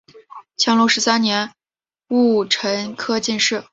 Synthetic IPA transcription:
t͡ɕʰjɑ˧˥ŋlu˧˥˩ʂɻ̩˧˥sa˥nnjɛ˧˥n | u˥˩ʈ͡ʂʰə˧˥nkʰɤ˥t͡ɕi˥˧nʂɻ̩˥˩

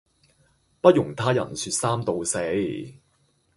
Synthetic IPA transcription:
pɐ˥t̚jʊ˨˩ŋt̪ʰaː˥jɐ̰˨˩nsyː˧t̚saː˥mt̪o˨˧wse˨˧˥j

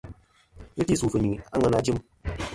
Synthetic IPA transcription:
i˦ti˦˨su˨fɨ˨ɲi˨a˦ŋə˨˧na˦d͡ʒi˦m

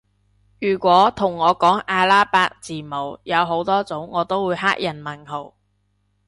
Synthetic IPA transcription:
jyː˨˩kʷɔː˨˥t̪ʰʊ˨˩ŋːɔː˨˧kɔː˨˥ŋaː˧laː˥paː˧˥k̚t͡siː˨˩mo˨wjɐ˨˧wɦo˨˥wt̪ɔː˥t͡sʊ˨˥wŋɔː˨˧t̪o˥wːuː˨˧jɦaː˥k̚jɐ˨˩nmɐ˨˩nɦo˨˩w

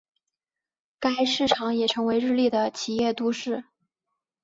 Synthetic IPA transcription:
ka˥ɪʂɻ̩˥˩ʈ͡ʂʰɑ˧˥ŋjɛ˨˩ʈ͡ʂʰɤ˧˥ŋwe˧˥ɪɻɻ̩˥˧li˥˩d̪ə˩t͡ɕʰi˨˩jɛ˥˩t̪u˥ʂɻ̩˥˩

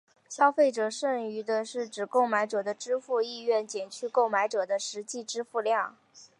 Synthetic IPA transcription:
ɕjɑ˥ʊfe˥˩ɪʈ͡ʂɤ˨˩ʂə˥˩ŋy˧˥d̪ə˧ʂɻ̩˥˩ʈ͡ʂɻ̩˨˩ko˥˩ʊma˧˥ɪʈ͡ʂɤ˨˩d̪ə˦ʈ͡ʂɻ̩˥fu˥˧i˥˧ɥɛ˥˩nt͡ɕjɛ˨˩nt͡ɕʰy˥˧ko˥˩ʊma˧˥ɪʈ͡ʂɤ˨˩d̪ə˦ʂɻ̩˧˥t͡ɕi˥˩ʈ͡ʂɻ̩˥fu˥˧ljɑ˥˩ŋ

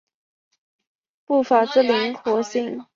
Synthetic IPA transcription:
pu˥˩fa˨˩ʈ͡ʂ̩˥˩li˧˥ŋkʰwɔ˧˥ɕi˥˩ŋ

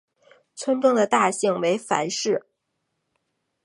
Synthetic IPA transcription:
t͡sʰwə˥nʈ͡ʂʊ˥ŋd̪ə˨˩t̪a˥˧ɕi˥˩ŋwe˧˥ɪfa̰˧˥nʂɻ̩˥˩

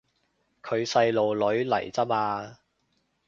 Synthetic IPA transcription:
kʰɵ˨˧ɥsɐ˧jlo˨wlɵ˨˥ɥlɐ̰˨˩jt͡sɐ˥p̚aː˧

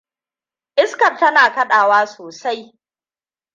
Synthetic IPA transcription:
ʔɪ˦skɐ˨rtɐ˦naː˨kɐ˦ɗaː˨waː˦soː˨sa˦j

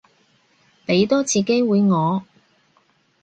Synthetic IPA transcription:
pe˨˥jt̪ɔː˥t͡sʰiː˨˧ke˥jwuː˨˧jŋɔː˨˧

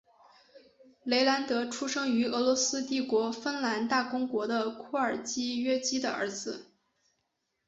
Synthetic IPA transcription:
le˧˥ɪla˧˥nt̪ɤ˧˥ʈ͡ʂʰu˥ʂɤ˥ŋy˧˥ɤ˧˥lwɔ˧˥sɹ̩˥t̪i˥˩kwɔ˧˥fə˥nla˧˥nt̪a˥˩kʊ˥ŋkwɔ˧˥d̪ə˧kʰɔ˥˩ə˞˨˩t͡ɕi˥ɥɛ˥t͡ɕi˥d̪ə̰˨ə̰˞˧˥d͡zɹ̩˧˩

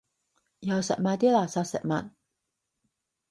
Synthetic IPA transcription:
jawsa̰˨ʔmat̪i˦la˨sasɛ̰˨ʔma̰n

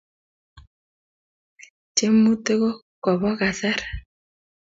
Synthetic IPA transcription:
t͡ʃe˦mu˦te˦ɣo˦ | kɔ˨βɔ˦ɣa˨sa˦ɾ

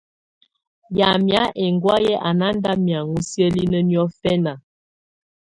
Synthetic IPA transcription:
ja˨mja˨˦ʔɛ˨ŋɡwa˦jɛ˦ʔa˨na˦n˦da˦mja˨ŋu˦sjə˦li˦nə˦njɔ˦fɛ˦na˨

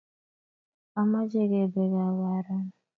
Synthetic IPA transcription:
a˨ma˦d͡ʒe˦ɡe˨be˨ɡa˨βa˨ɾa˦na˨

